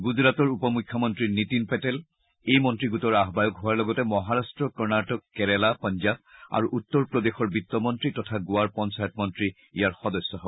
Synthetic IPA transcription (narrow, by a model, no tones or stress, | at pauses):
ɡuzɹatɔɹupɔmukʰjɔmɔntɹinitinpɛtɛl | ejmɔntɹiɡutɔɹaɦbajɔkɦʊaɹlɔɡɔtɛmɔɦaɹastɹɔkɔɹnatɔkːɛɹɛlapɔnzaba̰ɹuʔutːɔɹpɹɔdexɔɹbitːɔmɔntɹitɔtʰaɡʊwaɹpɔnsajɔtmɔntɹi | ijaɹxɔdɔsːɔɦɔb